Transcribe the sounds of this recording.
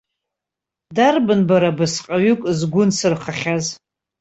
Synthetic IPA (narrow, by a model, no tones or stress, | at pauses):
darbɨnbaɾabɨsqʼaɥʏkʷʼzɡʷʊnsɨrχaχʲaz